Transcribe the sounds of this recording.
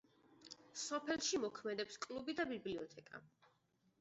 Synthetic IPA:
sɔpʰɛlˠʃimɔkʰmɛd̪ɛpskʼlubid̪abibliɔt̪ʰɛkʼa̰

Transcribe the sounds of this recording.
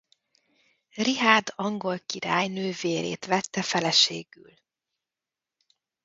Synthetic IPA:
riɦaːd̪ɒŋɡo̞lkiɾaːjnøːveːlḛːt̪ʋɛt̪ːɛfɛlɛʃeːɡy̰l

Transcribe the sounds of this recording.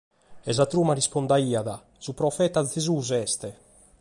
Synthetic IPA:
ɛzat̪ɾuːmarispond̪aiːaða | z̥upɾɔfɛːt̪azezuːzɛst̪ɛ

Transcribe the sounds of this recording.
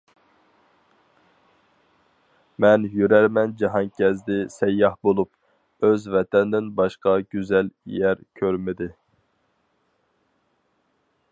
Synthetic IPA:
mɛnjyɾæɾmɛnd͡ʒɑɦɑnkʲʰɛzd̪ɪsɛjːɑhbolˠup̚ | øzvɛt̪ʰɛnd̪ɪnbɑʃqɑɡʲyzɛljæɾkʲʰøɾmɪd̪ɪ

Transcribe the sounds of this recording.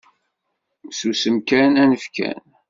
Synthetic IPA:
susəmkænænəfkæ̰n

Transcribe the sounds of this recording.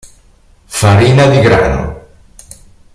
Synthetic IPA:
faɾinaðiɣɾa̰no̰

